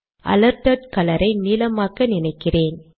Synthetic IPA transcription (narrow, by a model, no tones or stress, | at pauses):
ʔɐ̰lɐɾt̪ɐʈkɐlɐɾʔɐɪniːlɐmaːɣɐnɪnɐɪkːɪreːn